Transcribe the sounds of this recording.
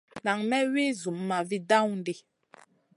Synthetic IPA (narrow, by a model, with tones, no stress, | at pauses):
na˨ŋmɛ˦we˦zu˨mːa˨vi˦da˦wn˦di˦